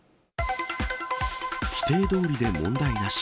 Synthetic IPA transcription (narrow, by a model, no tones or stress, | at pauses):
çʲi̥t̪e̞ːd̪o̞ːɾʲid̪e̞mõ̞nd̪aiɡaɕ